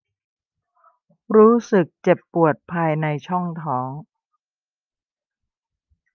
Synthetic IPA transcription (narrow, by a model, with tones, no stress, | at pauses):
ɾuː˦˥sɯ˨˩k̚t͡ɕe˨˩pːu˨˩ət̪̚pʰaː˧jna˧jt͡ɕʰɔ˥˩ŋt̪ʰɔː˩˦ŋ